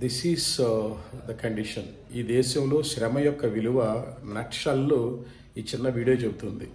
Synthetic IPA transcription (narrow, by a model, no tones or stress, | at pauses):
d̪isiːz | d̪ɐkɐɳɖiʂɐn | iːd̪ɛːʃɐmlo̞ːʃɾɐmɐjɔkːɐʋiluʋɐnɐʈʂaːlːoː | iːt͡ʃːinːɐʋiːɽijot͡ʃebut̪und̪i